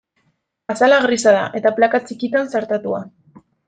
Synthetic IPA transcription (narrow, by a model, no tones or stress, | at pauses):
asalaɣɾisaða̰ʔe̞t̪aplakat͡sikit̪ansaɾt̪at̪ua